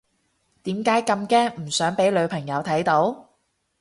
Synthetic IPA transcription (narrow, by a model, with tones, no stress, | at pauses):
t̪iː˨˥mkaː˨˥jkɐ˧mkɛː˧m̩˨˩sœː˨˥ŋpe˨˥jlɵ˨˧ɥpʰɐ˨˩ŋjɐ˨˧wt̪ʰɐ˨˥jt̪o˨˥w